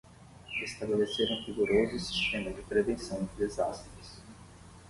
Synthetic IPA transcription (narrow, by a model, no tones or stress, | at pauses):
est̪abeleseɾũviɡuɾozʊsi̥st̪ẽmɐd͡ʒɪpɾevẽsɐ̃w̃d͡ʒɪd̪ezast̪ɾɪs